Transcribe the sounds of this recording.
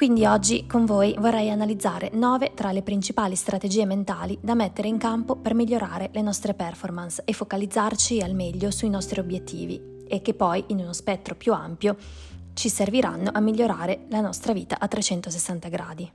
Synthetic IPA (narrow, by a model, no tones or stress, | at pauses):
kwind̪iɔd͡ʒːikoɱvoːjvorːɛjanalid̪zːaːɾenɔːvet̪ɾalepɾint͡ʃipaːlist̪ɾat̪ed͡ʒiːement̪aːlid̪amet̪ːeɾeiŋkampopermiʎːoɾaːɾelenɔst̪ɾepɛrformansefːokalid̪zːart͡ʃialmɛʎːosuinɔst̪ɾiobjet̪ːḭːvḭ | ekːepːɔjʔinunospɛt̪ːɾopjua̰mpjo | t͡ʃiserviɾa̰nːoʔamːiʎːoɾaːɾelanɔst̪ɾaviːt̪aʔat̪ːɾet͡ʃɛnt̪osesːant̪aɡɾaːd̪i